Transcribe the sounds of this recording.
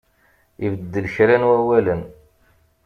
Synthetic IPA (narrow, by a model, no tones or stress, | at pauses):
ivəd̪ːəlçɾænwæwælən